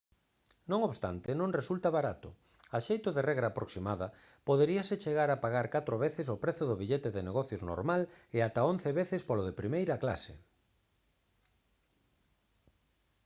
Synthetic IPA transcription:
nõŋoβst̪a̰nt̪enõŋresult̪aβaɾat̪ʊ̰ | aʃejt̪ʊðerɛɣɾaːpɾoksimaðɐ | poðeɾiɐset͡ʃeɣaɾapaɣaɾkat̪ɾoβeθɪs̬ʊpɾeθʊðʊβiʎet̪eðeneɣɔθjozno̰ɾmalɪat̪aonθeβeθɪspoloðepɾimejɾɐkla̰sḛ

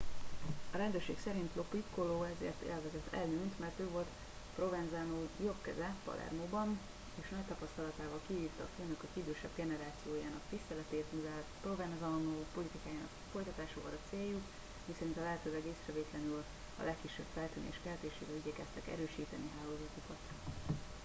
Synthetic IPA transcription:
ɒɾɛnd̪øːrʃeːksɛɾint̪lo̞pːit̪koloːɛzḛːrt̪ḛːlvɛzɛt̪ʰːɛ̰lːynt̪mɛrt̪øːvo̞lt̪ | pro̞vɛnzaːnoːjo̞pkɛzɛpɒ̰lʔɛ̰rmoːbɒn | eːʃnɒc̚t̪ɒpɒst̪ɒlɒt̪aːvɒlkiɦiːft̪ɒːføːnøkøkid̪øːʃɛbɡɛnɛɾaːt̪sijoːjaːnɒkt̪ist̪ɛlɛt̪eːt̪muzɛpro̞vɛnzɒnoːpo̞lit̪ikaːjaːnɒ̰kfo̞jt̪ɒt̪aːʃokɒ̰ɾɒt̪seːjːuk | misɛɾint̪ɒlɛɦɛt̪øːlɛɡeːsrɛveːt̪lɛnyl | ɒ̰lɛkːiʃːɛbfɛlt̪yːnḛːʃkɛɦɛt̪eːʃḛːvɛlyɟɛkɛst̪ɛkɛ̰ɾøːʃiːt̪ɛniɦaːloːzɒt̪ukɒt̪

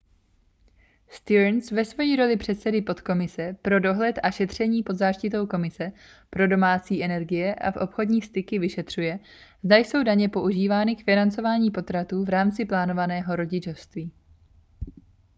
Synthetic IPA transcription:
st̪ɪɾnsvɛsvojiːɾo̞lɪpr̝̥ɛt̪sɛdɪpo̞t̪ko̞mɪsɛpɾo̞do̞ɦlɛt̪ʔaʃɛt̪r̝̥ɛɲiːpo̞d̪zaːʃcɪt̪o̞wko̞mɪsɛ | pɾo̞do̞maːt͡siːʔɛnɛɾɡɪjɛʔa̰fʔo̞pxo̞dɲiːst̪ɪkɪvɪʃɛt̪r̝̥ujɛ | zd̪ajso̞wdaɲɛpo̞ʔuʒiːvaːnɪkfɪnant͡so̞vaːɲiːpo̞t̪ɾat̪uːvɾaːmt͡sɪplaːno̞vanɛːɦo̞ɾo̞ɟɪt͡ʃofst̪viː

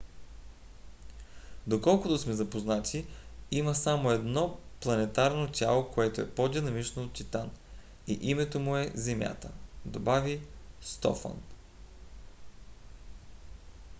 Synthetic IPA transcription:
d̪okɔlˠkot̪osmɛzɐpoznat̪ʰiiməsamoɛd̪nɔplˠɐnɛt̪aɾnot̪ʲalˠokoɛt̪oɛpod̪inɐmit͡ʃnoːt̪̚t̪it̪an | ḭʔimɛt̪omʊɛzɛmʲja̰t̪ə̰d̪obavist̪ɔ̰fɐ̰n

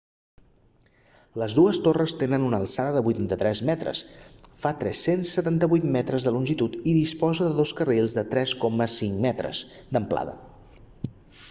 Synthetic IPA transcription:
ləzðuəst̪orəst̪enənunəlˠsaðəðəβujt̪ant̪ət̪ɾɛzmɛt̪ɾə̰sfat̪ɾɛsensːət̪ant̪əβujt̪mɛt̪ɾəzðəlunʲʒit̪ut̪iðispɔzəðəðoskərelˠzðət̪ɾɛskɔməsiŋmɛt̪ɾə̰zd̪əmpla̰ðə̰

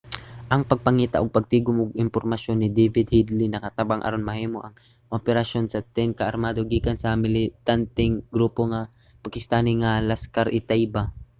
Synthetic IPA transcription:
ʔɐŋpɐɡ̚pɐŋiːt̪ɐ̰ʔoɡ̚pɐɡ̚t̪iːɡomʔʊɡɪmpoɾmɐʃjo̞nːɪd̪ɛjvɪd̪̚hid̪lɪnɐkɐt̪abaŋʔɐ̰ɾonmɐhiːmo̞ʔɐŋ | ʔopɛɾɐʃo̞nsɐt̪ɛŋkɐʔɐɾmaːd̪o̞ɡiːkansɐmɪlɪt̪ant̪ɪŋɡɾuːpo̞ŋa | pɐkɪst̪aːnɪŋalaskaɾʔɪt̪ajba

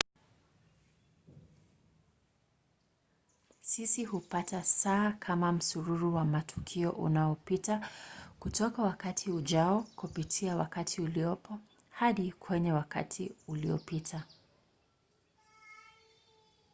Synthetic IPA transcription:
sisihupatasaːkʰamam̩suɾuɾuwamatʰu̥kʰiɔʔṵnaɔpitakutɔkawakatʰiuʄaɔkupitʰiawa̰katʰiuliɔpɔ | haɗikwɛɲɛwaka̰tʰiuliɔ̰pitʰa

